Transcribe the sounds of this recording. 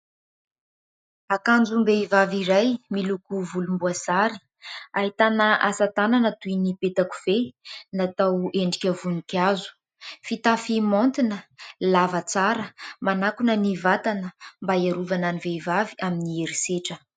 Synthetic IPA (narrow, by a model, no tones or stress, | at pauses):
akand͡zumbeivaviɾajmilukuvulumbuasaɾi̥ | aɦit̪anəʔasat̪ananət̪ujnipet̪aku̥v̥enat̪aweɳɖ͡ʐikʲəvunikazu̥ | fit̪afimont̪inəlavət͡saɾəmanakunənivat̪anəmbaiaɾuvananiveivaviaminieɾiseʈ͡ʂə